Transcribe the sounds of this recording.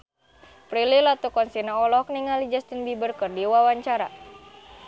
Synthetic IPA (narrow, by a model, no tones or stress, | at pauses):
pɾililat̪ukɔnsinaɔlɔk̚niŋalid͡ʒast̪inbibərkɨrdiwawaɲt͡ʃaɾa